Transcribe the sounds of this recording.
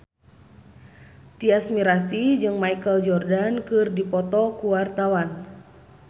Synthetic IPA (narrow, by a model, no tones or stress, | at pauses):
t̪iasmiɾasid͡ʒɨŋmajkəld͡ʒɔrdankɨrdipɔt̪ɔkuwart̪awan